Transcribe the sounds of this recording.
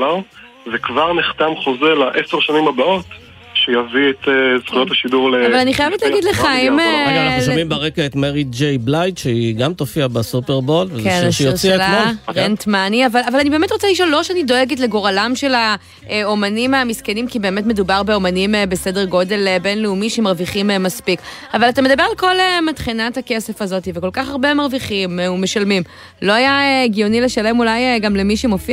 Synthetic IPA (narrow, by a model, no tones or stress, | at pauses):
a | vekvaʁniχt̪amχozelaʔeseʁʃanimabao̞t | ʃejaviet̪ez̥χujot̪aʃiduʁleavalaniχajevetlaːɡidleχaimanaulʃomimbaʁekaet̪meʁid͡ʒejblajt̪ʃeiɡamtofiabasupeʁbolvkenʃjot͡sʃiaelamoʁentmaniavalavalanibeːme̞tʁot͡saliʃ̬o̞lːoʃeanido̞eɡet̬le̞ɡo̞ʁalamʃela | omanimamiskenimkibe̞ːmetmedubaʁbeomanimbesedeʁɡo̞de̞lbenleumiʃemaʁviχimmaspik | avalatamed̪abeʁalko̞lematχinathakesefazo̞tiveko̞lkaχaʁbemaʁviχimume̞ʃalmim | lo̞ajaeɡijonileʃalemulajɡamlemiʃemofi